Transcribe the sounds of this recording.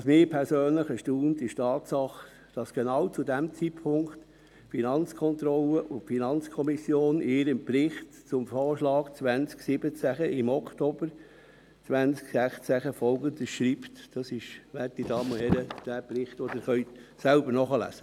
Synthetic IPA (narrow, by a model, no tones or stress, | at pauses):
ɑsmɪːpʰɛɾsøːnləχəʃtuːntɪʃtʰɑːtsɑχ | d̥ɑsɡ̥enɑwt͡sudæmt͡sipʰʊŋkt | finɑnt͡skʰɔnt̪ɾɔləʔʊnfinɑnt͡skʰɔmisjoːnɪːɾəmprɪχt | t͡sʊmfɔːrʃlɑːkt͡sʋænt͡sksɪbət͡sæχəʔɪmɔktoːb̥əɾ | t͡sʋænsksæχt͡sæχəfɔlɡənd̪əsʃɾiːptd̥ɑsɪʃʋætidɑːmohɛɾəd̥æːprɪχt̪od̥əχœʏsælbəɾnɔχəlæ̰sə